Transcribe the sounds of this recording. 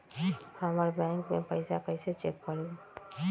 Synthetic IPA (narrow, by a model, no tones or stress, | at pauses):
həməɾbɛ̃ŋkmepəɪsakəɪset͡ʃḛkːəɾe